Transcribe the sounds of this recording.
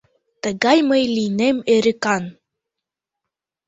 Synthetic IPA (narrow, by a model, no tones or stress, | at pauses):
t̪əɣɑjməjlinemeɾɘkɑn